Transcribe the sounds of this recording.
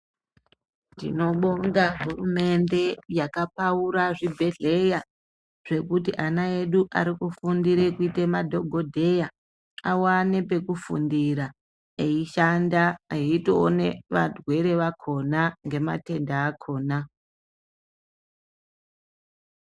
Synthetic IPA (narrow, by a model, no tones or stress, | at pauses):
ndḭno̞ɓoŋɡaɦurume̞nde̞jakapauɾaʐibʱe̞ɮe̞ja | ʐ̥e̞kutiʔanae̞ɗuʔa̰ɾikufundiɾekuitemadʱo̞ɡʱo̞dʱe̞ja | awane̞pe̞kufṵndiɾa | eiʃandaeitoːneʋa̰dwe̞ɾe̞ʋakʰo̞naŋɡe̞ma̰te̞ndaːkʰo̞ːna